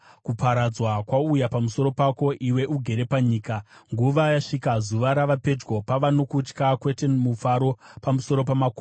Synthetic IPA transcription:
kupaɾad͡zwakwaujapamuso̞ɾo̞pako̞ʔiwe̞ʔuɡʱe̞ɾe̞paɲiːkaŋɡuʋajaʂikazuʋaɾaʋape̞d͡ʒɡo̞paʋano̞kut͡ʃkakwe̞te̞mufaɾo̞pamuso̞ɾo̞pamako

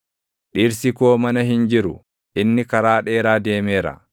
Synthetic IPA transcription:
ᶑiːɾsɪkoːmɐnɐɦɪnd͡ʒɪɾʊ | ʔɪnːɪkɐɾaːᶑe̞ːɾaːd̪e̞ːmeːɾɐ̰

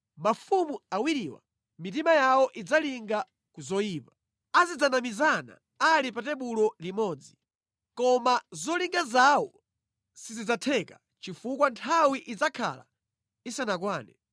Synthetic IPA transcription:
mafumuawiɾiwa̰ | mit̬imajawɔʔid͡zaliŋɡa | kuzɔjiːpa | azid͡zanamizana̰ | alipatɛɓulɔlimɔːd͡zi | kɔmazɔliŋɡazawɔ | sizid͡zatʰɛka | t͡ʃifukwantʰawiʔid͡zakʰa̰la̰ | isanakwaːnɛ

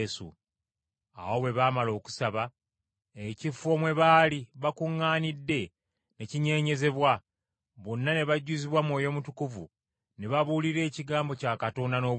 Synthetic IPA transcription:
sṵ | a̰wowe̞βaːmalo̞ːku̥saβa | ecifo̞mwe̞βaːliβakuŋːaːnidːe̞ | ne̞ciɲe̞ːɲe̞ze̞βwa | βonːane̞βaɟuziβwamwo̞ːjo̞mutukuvu | ne̞βaβuːliɾe̞ːciɡaːmbo̞caːkato̞ːndano̞ː

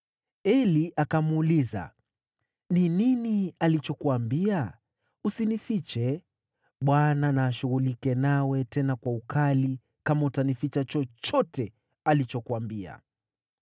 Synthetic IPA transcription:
ɛliʔakamuuːliza̰ | nininialit͡ʃɔkuambia | usinifit͡ʃɛ | ɓwananaːʃuɣulikɛnawɛtɛnakwaukali | kamautanifit͡ʃat͡ʃɔt͡ʃɔtɛ | alit͡ʃɔkuambia̰

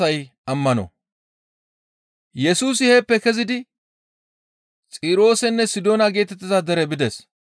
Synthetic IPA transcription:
ɐjɐmːɐnɔ̰ | jɛsuːs̬ɪhɛpːɛkɛzɪd̪ɪ | t͡sʼiːɾo̞ːsɛnːɛsɪd̪o̞ːnɐɡe̞ːt̪ɛt̪ːɪzɐd̪ɛɾɛbɪd̪ɛs

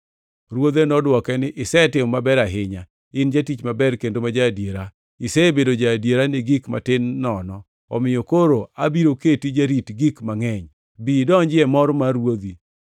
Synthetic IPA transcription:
ɾwod̪enɔdwɔkɛnɪʔɪsɛtɪmːabɛɾaɦɪɲa | ɪnd͡ʒatit͡ʃmabɛɾkendomad͡ʒadjeɾa | ɪsɛbedod͡ʒadjeɾanɪɡikma̰tɪnːɔnɔ | ɔ̰mɪjokoɾoa̰biɾoketid͡ʒaɾitɡikmaŋɛɲ | bidɔɲd͡ʒɪɛmɔɾmaɾwod̪i

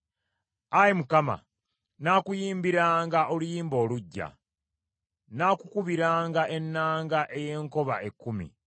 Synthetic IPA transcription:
ajimukama̰ | naːkujiːmbiɾaːŋɡaʔo̞lujiːmbo̞ːluɟːa̰ | naːkukuβiɾaːŋɡaʔe̞nːaːŋɡaʔe̞je̞ːŋko̞βaʔe̞kːumḭ

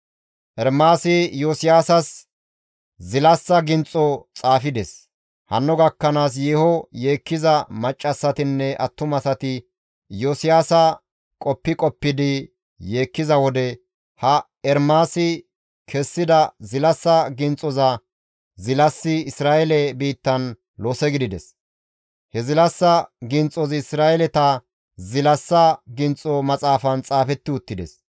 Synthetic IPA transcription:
ʔɛɾmaːsɪjoːsɪjaːsɐs | zɪlɐsːɐɡɪnt͡sʼɔt͡sʼaːfɪd̪ɛs | hɐ̰nːɔɡɐkːɐnaːs̬jeːhɔjeːkːɪzɐmɐt͡ʃʼːɐsːɐt̪ɪnːɛʔɐ̰t̪ːʊmɐsɐt̪ɪ | joːsɪjaːsɐ | kʼɔpːɪkʼɔpːɪd̪ɪ | je̞ːkːɪzɐwɔd̪ɛ | hɐ | ɛɾmaːsɪ | kʰɛsːɪd̪ɐzɪlɐsːɐɡɪnt͡sʼɔzɐ | zɪlɐsːɪɪsɾaːʔɛlɛbiːt̪ːɐn | loːsɛɡɪd̪ɪd̪ɛs | hɛzɪlɐsːɐɡɪnt͡sʼɔzɪɪsɾaːʔɛlɛt̪ɐ | zɪlɐsːɐɡɪnt͡sʼɔmɐt͡sʼaːfɐnt͡sʼaːfɛt̪ːɪʊt̪ːɪd̪ɛ̰s

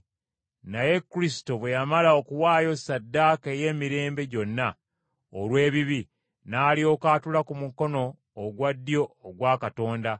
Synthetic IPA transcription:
naje̞kːuɾisi̥to̞βwe̞jamalao̞kuwaːjo̞sadːaːke̞je̞ːmiɾe̞ːmbe̞ɟo̞nːa | olwe̞ːβiβi | naːlio̞ːkaːtulakumuko̞no̞ː | ɡwadːjo̞ːɡwaːkato̞ːnda

